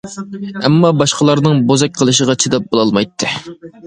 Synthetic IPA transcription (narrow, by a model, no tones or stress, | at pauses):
ɛmːɑbɑʃqəlˠɑɾnɨŋbozɛk̚ʲqʰəlˠɨʃəʁɑt͡ʃʰid̪ɛp̚bolˠɑlˠmɑjt̪ʰːɨ